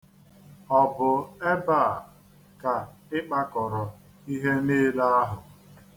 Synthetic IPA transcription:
ɔ˨bʊ˨e˦ba˦˨ | ka˨ɪ˦k͡pa˦kɔ˨ɾɔ˨ | i˦ɦe˦neː˦la˦a˦ɦʊ˨

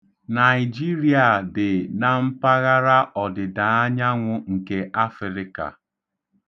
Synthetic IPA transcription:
na˨ɪ˨d͡ʒi˦ɾi˨a˨dɪ˨na˨m̩˦pa˦ɣa˦ɾa˦ʔɔ˨dɪ˨da˨a˦ɲa˦ŋʷʊ˦ŋ̩˨ke˨ʔa˦fɪ˨ɾɪ˦ka̰˨

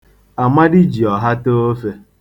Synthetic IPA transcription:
a˨ma˦dɪ˦d͡ʒi˨ɔ˨ɦa˦to˦fe˦

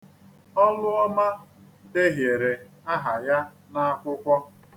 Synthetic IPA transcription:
ɔ˦lʊ˦ɔ˦ma˦ | de˦ɦje˨ɾe˨ | a˦ɦa˨ja˦ | na˦a˦kʷʊ˦kʷɔ˦

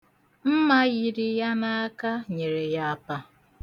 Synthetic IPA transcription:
m̩˦ma˦ɣi˨ɾi˦ja˦na˦a˦ka˦ɲe˨ɾe˨ja˦a˦pa˦

